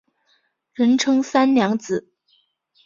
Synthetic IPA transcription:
ɻə˧˥nʈ͡ʂʰɤ˥ŋsa˥nljɑ˧˥ŋt͡sɹ̩˨˩˦

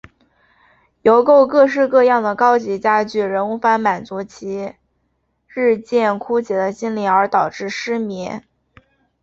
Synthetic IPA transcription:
jo˧˥ʊko˥˧ʊkɤ˥˧ʂ̬ɻ̩˥˧kɤ˥˧jɑ˥˩ŋd̪ə˩kɑ˥ʊt͡ɕi˧˥t͡ɕja˥t͡ɕy˥˩ɻə˧˥nu˧˥fa˧˥nma˨˩nt͡su˧˥t͡ɕʰi˧˥ | ɻɻ̩˥˧t͡ɕjɛ˥˩nkʰu˥t͡ɕjɛ˧˥d̪ə˧ɕi˥nli˨˩ə˞˧˥t̪ɑ˨˩ʊʈ͡ʂɻ̩˥˩ʂɻ̩˥mi˧˥

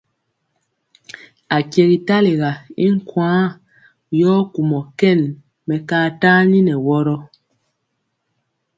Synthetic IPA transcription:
a˨kjɛ˨ɣi˨ta˦li˨ɣa˨i˦ŋ̩˦kwãː˨˦ | jɔː˦ku˨mɔ˨kɛ˦˨n | mɛ˨kaː˦taː˦ni˦nɛ˨wɔ˦ɾɔ˦

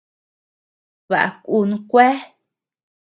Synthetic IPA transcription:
βa̰˨ʔa̰˧ku˦˨nũ˧kʷe˦

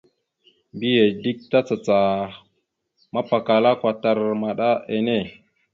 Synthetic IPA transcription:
mbi˦je˨di˦k̚ta˦t͡sa˨t͡sa˨ | ma˦pa˨ka˨la˦kʷa˨ta˦ɾma˨ɗa˦e˨ne˦˨

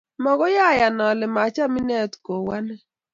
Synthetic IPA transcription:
mɔ˨ɡɔ˦ja˦˨ja˨nɔ˨lɪ˨ma˨t͡ʃa˦mi˦nɛ˦˨tko˨wa˦nɛ˦

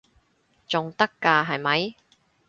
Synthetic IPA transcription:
t͡sʊ˨˩ŋt̪ɐ˥kːaː˧ɦɐ˨jmɐ˨˥j

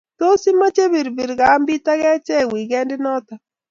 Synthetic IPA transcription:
to˦si˦ma˦t͡ʃe˦bi˨ɾbi˨ɾɡa˨˦mbi˦ta˦ɣɛ˦t͡ʃɛ˦˨wi˨ɡɛ˦ndɪ˦nɔ˦ta˨

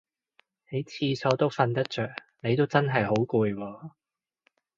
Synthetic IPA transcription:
he˨˥jt͡sʰiː˧sʰɔː˨˧t̪o˥wfɐ˧nt̪ɐ˥t̚t͡ʃœː˨k̚ | ne˨˧jt̪o˥wt͡sɐ˥nɦɐ˨jɦo˨˥wkuː˧jwɔː˧

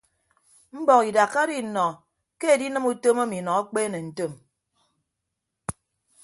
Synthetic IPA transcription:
m̩˦bɔ˨ki˨da˨kːa˦di˦˨nɔ˨ | ke˦e˨di˦nɨ˦mu˦to˦ma˦mi˨nɔ˨a˦k͡peː˦ne˨n̩˨to˦˨m

